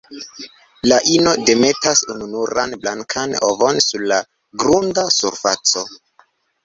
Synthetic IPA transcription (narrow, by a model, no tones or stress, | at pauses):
laʔino̞de̞me̞tasununuɾa̰nblaŋkʰano̰vo̞nsuɾla | ɡɾundasuɾfat͡so̞